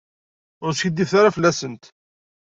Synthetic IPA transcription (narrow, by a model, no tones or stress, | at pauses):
ʊɾsçəd̪ːifθaɾafəlːæsənt̪